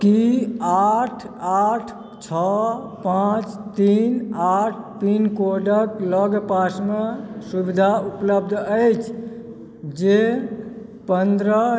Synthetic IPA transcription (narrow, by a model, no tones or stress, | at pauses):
kiaʈʰ | aʈʰ | t͡ʃʰɔ | pãt͡ʃt̪inaʈʰt̪inkoɖəkləɡpasmesubid̪ʱaupləb̚d̪ʱəjt͡ʃʰ | d͡ʒe | pənd̪ɾə